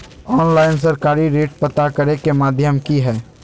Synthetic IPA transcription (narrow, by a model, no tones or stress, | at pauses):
ɔːnlaːɪns̬əɾkaːɾiɾeːʈpɐt̪akɐɾekemaːd̪ʱjəmkiɦɛː